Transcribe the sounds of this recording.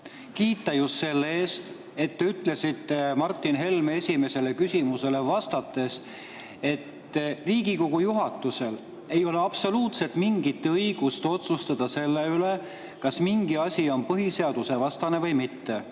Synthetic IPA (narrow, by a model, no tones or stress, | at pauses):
kiːt̪ˑːɑjust̪se̞lːeːst̪ | e̞t̪ːeyt̪le̞sit̪ːe̞mɑrt̪ːˑinɦe̞lme̞sʲime̞se̞le̞kysʲimuse̞le̞vɑst̪ɑt̪ːˑe̞s | e̞t̪ː | riːɡiko̞ɡ̥ujuɦɑt̪ːˑuse̞l | e̞jo̞le̞ɑb̥so̞luːt̪se̞t̪ːˑmiŋɡit̪ːɤjɡ̥ust̪o̞t̪sust̪ɑd̪̥ɑse̞lːe̞yle̞ | kɑsmiŋɡiɑsʲio̞npɤɦise̞ɑd̪̥use̞vɑst̪ɑne̞vɤjmit̪ːe̞